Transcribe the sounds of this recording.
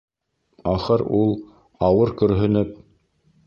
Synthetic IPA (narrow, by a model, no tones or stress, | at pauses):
ɑχɤɾulˠ | ɑwɤɾkɵ̆ɾɦɵ̆nɵp̚